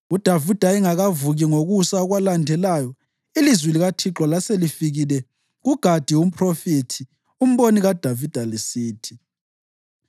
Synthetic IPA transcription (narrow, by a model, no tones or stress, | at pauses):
ud̥ʱavid̥ʱaiŋaɣavuɣiŋoɣusaɔɣwalandʱɛlaːjɔ | ilizwiliɣatʰiǁɔlaselifiɣilɛ | ɣuɡ̥ʱad̥ʱiwum̩pʰʼrofitʰi | um̩βoniɣad̥ʱavid̥ʱalisiːtʰi̥